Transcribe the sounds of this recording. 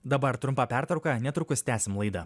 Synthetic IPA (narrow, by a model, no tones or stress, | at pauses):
d̪ɐbɐɾt̪ɾʊmpɑːpʲæɾt̪ɾɐʊkɑnʲɛt̪ɾʊkʊsʲt̪ʲæːsʲɪmlˠɐɪd̪ɐ